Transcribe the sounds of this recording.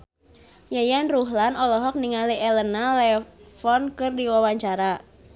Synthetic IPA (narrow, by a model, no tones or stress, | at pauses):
jajanruɦlanɔlɔɦɔk̚niŋaliʔɛlənalɛfɔnkɨrdiwawaɲt͡ʃaɾa